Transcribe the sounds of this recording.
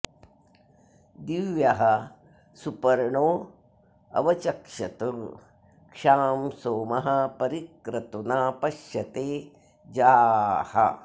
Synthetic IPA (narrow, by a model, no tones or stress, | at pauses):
d̪iʋjɐɦɐ | supɐɾɳoː | ɐ̰ʋɐt͡ʃɐkʃɐt̪u | kʂaːmsoːmɐɦɐpɐɾikɾɐt̪unaːpɐʃjɐt̪eː | d͡ʒaːhɐ̰